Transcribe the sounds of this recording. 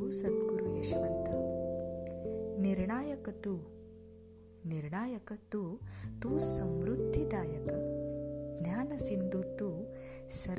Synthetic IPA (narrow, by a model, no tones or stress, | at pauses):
uːsɐd̪ɡuɾujɐʃʋɐnt̪ɐ | niɾɳaːjɐkɐt̪uː | niɾɳaːjɐkɐt̪uːt̪uːsɐmɾud̪ʱːid̪aːjɐkɐ | ɡ̪njaːnɐsind̪ut̪uː | sɐ